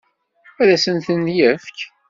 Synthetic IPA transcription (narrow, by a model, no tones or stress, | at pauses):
æðæsənθənt̪jæfk